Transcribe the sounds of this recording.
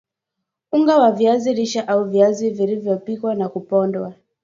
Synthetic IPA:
uŋɡawavjaziɾiʃaʔauvjazivilivjɔpikwanakupɔndwa

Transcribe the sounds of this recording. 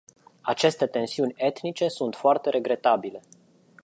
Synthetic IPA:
at͡ʃe̞st̪e̞t̪e̞nsiunʲe̞t̪nit͡ʃe̞sunt̪foart̪e̞ɾʔe̞ɡɾe̞t̪abile̞

